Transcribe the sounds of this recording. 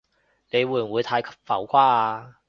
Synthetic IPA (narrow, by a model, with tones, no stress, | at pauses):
ne˨˧jwuː˨˧jwuː˨˧jt̪ʰaː˧jkʰɐ̥˥p̚fɐ˨˥wkʷʰwaː˥aː˧